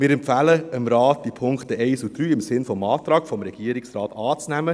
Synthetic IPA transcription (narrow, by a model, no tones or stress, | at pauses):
mɪːɾɛmpfæːləəmɾɑːtd̥ipʰʊŋktəɛɪsud̥ɾyːɪmsɪnfɔmɑːtɾɑːɡ̥fɔmɾɛɡ̥iːəɾɪksɾɑːtɑːt͡snɛmə